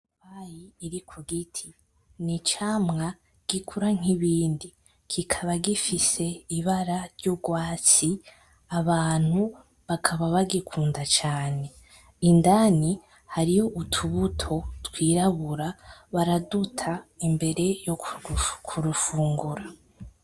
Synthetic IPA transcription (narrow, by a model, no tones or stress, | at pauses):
wajiːɾikʰuɡitʰi | nit͡ʃaːmŋa | ɡ̥ikʰuɾaŋ̥iβiːndi | kʰikʰaβaɡifise̞iβaɾaɾɟoɡwaːt͡si | aβaːn̥hu | βakʰaβaβaɡikʰuːndat͡ʃaːne̞ | indani | haɾijo̞ʔutʰuβutʰo̞twiːɾaβuɾaβaɾadutʰaimbe̞ɾe̞jokʰuɾufuːŋɡuɾa